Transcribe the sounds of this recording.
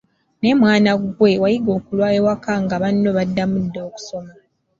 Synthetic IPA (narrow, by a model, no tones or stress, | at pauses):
ne̞mwaːnaɡwe̞wajiɡo̞ːkulwaːjewakaŋɡaβanːo̞βadːamudːo̞ːku̥so̞ma